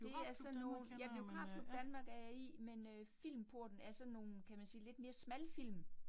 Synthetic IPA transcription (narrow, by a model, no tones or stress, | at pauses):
de̝æɐsɒ̽nːo̝ːnjɑ̈ɪb̥liokʰʁɑ̈fod̥ænmɑ̈ɡ̥æɐjɑɪḭmenøfil̰mpʰo̝ɐ̰d̥n̩æɐsɒ̽nːo̝ːn̩kʰæmænsiːle̝d̥me̝ːɐsmælfil̰m